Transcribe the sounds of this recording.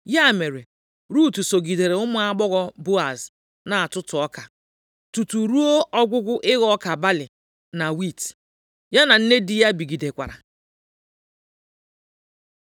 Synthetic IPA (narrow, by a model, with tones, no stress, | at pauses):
ja˦˨me˨ɾe˨ | ɾu˦˨tu˨so˨ɡi˨de˨ɾe˨ʊ˦mʊ˦a˦ɡ͡bɔ˦ɣɔ˦bo˦a˨z | na˨a˨tʊ˦tʊ˨ɔ˦ka˨ | tu˨tu˨ɾu˦o˦ʔɔ˦ɡʷʊ˦ɡʷʊ˦ʔɪ˦ɣɔ˦ka˨ba˦lɪ˨ | na˨wi˦˨t | ja˦na˨n̩˦ne˦dɪ˦ja˦bi˨ɡi˨de˨kʷa̰˨ɾa̰˨